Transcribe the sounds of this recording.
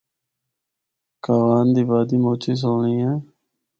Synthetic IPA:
kaːʋaːnd̪iːbaːd̪iːmoːt͡ʃeːs̬oːɳĩːẽː

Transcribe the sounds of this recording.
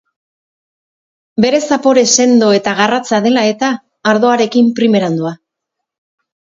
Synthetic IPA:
be̞ɾe̞sapo̞ɾe̞se̞nd̪o̞e̞t̪aɣarat͡sað̞e̞lae̞t̪aː | ɾð̞o̞aɾe̞kimpɾime̞ɾand̪ua

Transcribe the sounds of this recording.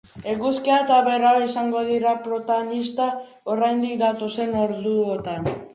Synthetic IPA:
eɣuskiat̪aβe̞ɾawisaŋɡo̞ðiɾapɾo̞t̪aɣonist̪a | orajnd̪ik̚d̪at̪use̞no̞ɾðuot̪an

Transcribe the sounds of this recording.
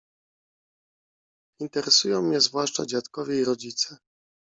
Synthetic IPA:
int̪ɛɾɛsujɔ̃w̃mɲɛzvwaʂt͡ʂa̰d͡ʑat̪kɔvʲɛiɾɔd͡ʑit̪sɛ

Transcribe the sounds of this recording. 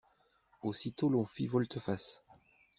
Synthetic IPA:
osit̪olɔ̃fivɔlt̪əfas

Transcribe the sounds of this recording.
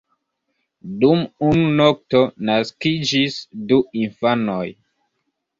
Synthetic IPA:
dumununok̚to̞naskid͡ʒisduinfanoj

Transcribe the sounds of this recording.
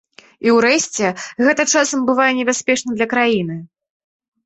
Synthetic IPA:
iwɾɛsʲt͡sʲɛɣɛt̪ɐt͡ʂasɐmbɨvajɛnʲɛbʲasʲpʲɛʂnɨmd̪lʲɐkɾajinɨ

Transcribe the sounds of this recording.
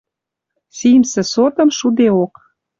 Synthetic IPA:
simsĕsot̪ə̆mʃud̪eok

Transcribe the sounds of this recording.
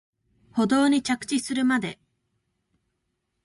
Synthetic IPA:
ho̞d̪o̞ːɲ̟it͡ɕakɯ̥t͡ɕisɨɾɯ̟mad̪e

